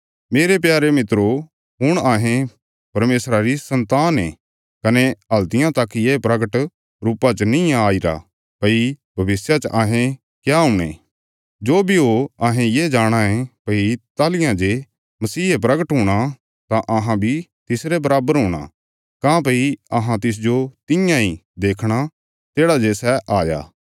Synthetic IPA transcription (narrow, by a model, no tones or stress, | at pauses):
meːɾep̬jaːɾemɪt̪ɾo | ɦʊɽ̃aːɦẽ | pɐɾmeːsɾaɾisɐ̃nt̪aːnɛ | kɐneɦɐlt̪ɪjãt̪akːijeːpɾɐɡəʈ | ɾuːpat͡ʃnɪ̃ãaːiɾa̰ | pɐibʱɐʋɪsjat͡ʃʔaːɦẽ | kjaɦʊɽ̃ḛ̃ː | d͡ʒoːbʱiɦoɐɦẽjeːd͡ʒaːɽ̃ãẽpɐit̪aːlɪjãd͡ʒe | mɐsiːɦep̬ɾɐɡəʈɦʊɽ̃a | t̪ãʔɐɦãbʱit̪ɪsɾɛbɐɾaːbəɾɦʊ̃ːɽ̃a̰ | kãːp̬ɐiɐɦãt̪ɪs̬d͡ʒot̪ɪjãid̪eːkʰɽ̃a | t̪eːɽad͡ʒeːsɛʔaːja̰ː